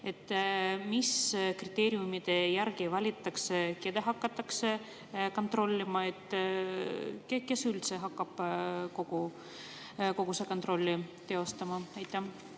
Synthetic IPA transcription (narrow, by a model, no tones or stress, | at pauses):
e̞t̪ːmiskrit̪ːˑe̞ːɾiumid̪̥e̞jæɾɡ̥ivɑlʲit̪ˑːɑkseke̞d̪eɦɑkːɑt̪ːˑɑkse̞ | ko̞nt̪ɾo̞lʲːimɑe̞t̪ | keke̞sylt̪seɦɑkːɑb̥ko̞ɡ̥u | ko̞ɡusekot̪ro̞lʲːit̪e̞o̞st̪ɑmɑejt̪ːˑæ